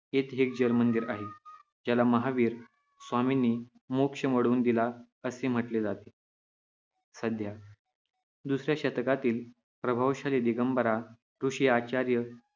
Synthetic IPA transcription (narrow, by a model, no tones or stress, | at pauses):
et̪ɦek̚d͡ʑəlmənd̪iɾaɦe | d͡ʑjalaməɦaʋiːɾ | sʋaminiː | mokʂəməɽuːnd̪ila | əsem̤əʈled͡zat̪e̥ | səd̪ʱja | d̪usɾjaɕət̪kat̪iːl | pɾəbʱaʋɕaled̪iɡəmbəɾa | ɾuɕijat͡ɕaɾjə